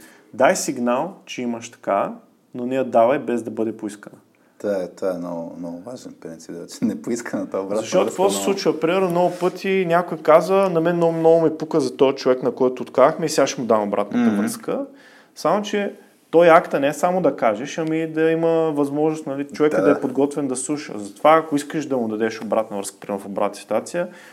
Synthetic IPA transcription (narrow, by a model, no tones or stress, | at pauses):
d̪ajsiɡnalˠt͡ʃɛimɐʃt̪ɐ̥ka̰ | nonɛjəd̪avəjbɛzd̪ɐbɤd̪ɛpʊiskənɐ | t̪aɛt̪aɛnɔɡnɔɡʊvaʒɛnpɾint̪sip̚d̪ɛt͡ʃɛ̥nɛpoiskənɐt̪abɾaɐʃt̪ɔt̪kkvɔsɛ̥slˠut͡ʃivɐpɾimɛɾnomnɔɡʊpɤt̪ʰinʲakʊjkazənɐmɛnomnɔɡʊmipukəzɐt̪ɔt͡ʃovɛknɐkɔjt̪ʊːt̪kavəxmɛisɛɡaʃɛmʊd̪amobɾʔa̰t̪nət̪ɐvɾəskə | samot͡ʃɛ | t̪ɔjakt̪ɐnɛɛsamʊd̪ɐkaʒɛʃɐmid̪ɐiməvɐzmɔʒnʊst̪nɐlit͡ʃovɛkəd̪ɐɛpod̪ɡɔt̪vɛnd̪ɐslˠuʃə̰zɐt̪ovaːkoiskəʃd̪ɐmʊd̪ɐd̪ɛʃobɾat̪nɐvɾəskə̥pɾimɛɾfoba̰t̪nsi̥t̪wat̪sijə